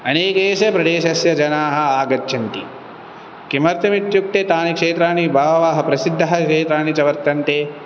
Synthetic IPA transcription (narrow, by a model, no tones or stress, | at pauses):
ɐneːkeːʃɐpɾɐd̪eːʃɐsjɐd͡ʒɐnaːɦɐ̆aːɡɐt͡ʃːʃʰɐnt̪i | kimɐɾt̪ɐmit̪juk̚ʈ̪et̪aːnikʂeːt̪ɾaːnibʱaːʋɐʋaːɦɐpɾɐsid̪ʱːɐɦɐʂeːt̪ɾaːnit͡ʃɐʋɐɾt̪ːɐnt̪eː